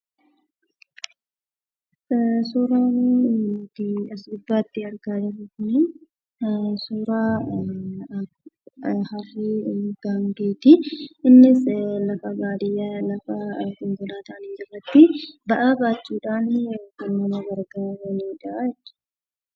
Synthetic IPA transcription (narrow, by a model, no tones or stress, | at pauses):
suːɾaːn | t̪iɐsd̪ʊbːaːt̪ːɪɐɾɡaːd̪ɐfɪkʊni | suːɾaː | hɐfiːɡ̥aːŋɡeːt̪ɪɪnːɪslɐfɐɡaːd̪ɪjɐlɐfɐkɔŋɡʊlaːt̪ɐʔɐnid͡ʒɪrːɐt̪ːɪbɐʔaːbaːt͡ʃːuːᶑaːnoːkɛnːɐmɐɡɐɾɡawɛniːᶑaɛt͡ʃːɪ̥